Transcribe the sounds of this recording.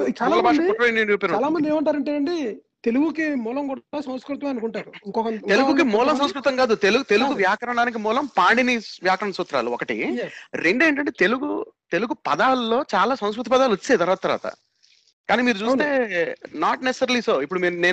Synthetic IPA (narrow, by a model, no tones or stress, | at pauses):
t͡ʃaːlaːlabaːʂɐɔʈɾjnjunjuːpeɾuaːlaːmɐnd̪ieːmɐɳʈaːɾɐɳʈeɐɳɖi | t̪eluɡukimuːlɐmkuɽasɐ̃w̃skɾut̪ʋɐ̃ɐnukuɳʈaːɾuiŋkɔkɐeluɡukimuːlɐms̬ɐ̃wskɾut̪ɐŋɡaːd̪ut̪eluɡt̪eluɡuʋjaːkɐɾɐɳaːnik̬imuːlɐmpaːɳɖiniʋjaːkɐɾɐɳɐsuːt̪ːɾa̰ːluɔkɐʈḭɾe̞ɳɖueːɳʈɐɳʈeːt̪eluɡut̪eluɡupɐd̪aːlːo̞ːt͡ʃaːlaːsɐw̃skɾut̪ipɐd̪aːlot͡ʃːeːt̪ɐɾaːt̪ːɐɾʋa̰ːt̪ɐ̰ | kaːniːmiːɾut͡ʃuːst̪e̞ːnaːʈnese̥sɐɾɐlisoːipːuɽumiːnneː